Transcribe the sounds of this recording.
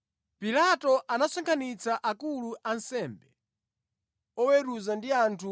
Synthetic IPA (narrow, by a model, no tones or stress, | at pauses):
pilatɔʔanasɔŋkʰanit͡saʔakuluʔansɛmbɛ | ɔwɛɾuzandiantʰu